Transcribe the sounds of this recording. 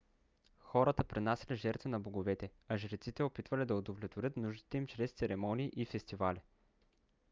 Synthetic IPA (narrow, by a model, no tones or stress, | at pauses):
xɔɾət̪əpɾinasʲɐlʲiʒɛɾt̪vinɐboɡovɛt̪ɛɐʒɾɛt̪sit̪ɛopit̪vɐlid̪ɐod̪ovlʲɛt̪voɾʲɤt̪nuʒd̪it̪ɛimt͡ʃɾɛst̪sɛɾɛmɔniːʔifɛst̪ivali